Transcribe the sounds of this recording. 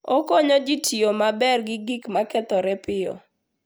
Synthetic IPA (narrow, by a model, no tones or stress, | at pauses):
ɔkɔɲɔd͡ʒitiomabɛrɡɪɡikmakɛt̪ɔɾɛpɪɔ̰